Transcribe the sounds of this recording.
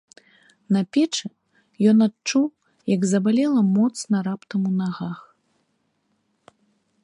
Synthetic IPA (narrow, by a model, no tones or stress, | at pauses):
nɐpʲɛt͡ʂɨ | jɔnat̪t͡ʂuw | jɐɡzɐbalʲɛlˠɐmɔt̪snɐɾapt̪ɐmunaɣax